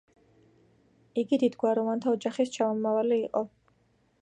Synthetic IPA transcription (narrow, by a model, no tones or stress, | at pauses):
iɡid̪id̪ɡwaɾɔvant̪ʰaɔd͡ʒaχist͡ʃʰamɔmavaliːqʼɔ